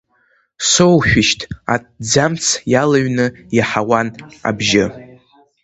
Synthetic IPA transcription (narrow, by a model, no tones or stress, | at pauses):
sowʃʷᶣɪʃtʰa̰t̚d͡zamt͡sʰjalaɥnɨjaħawana̰bʒɪ